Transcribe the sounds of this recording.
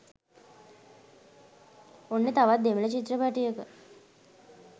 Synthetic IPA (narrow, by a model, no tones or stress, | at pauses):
onːet̪aʋat̪̚d̪emələt͡ʃit̪ːɾəpaʈijəkə